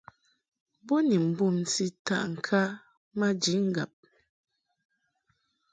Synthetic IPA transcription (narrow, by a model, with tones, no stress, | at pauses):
bɔ˦ni˨m̩˨bu˦˨mn̩˨si˦ta̰˦ʔŋ̩˨kʰa˦ | ma˦d͡ʒi˨˦ŋ̩˦ɡa̰˨p̚